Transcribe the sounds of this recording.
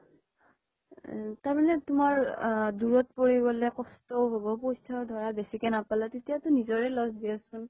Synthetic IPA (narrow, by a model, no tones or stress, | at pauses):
taɹmanɛtʊmaɹduɹɔtpoɹiɡɔlɛkɔstɔʊɦobɔpojsadʱɔɹabesikɛnapalatetijatʊnizɔɹɛlɔsdiasʊn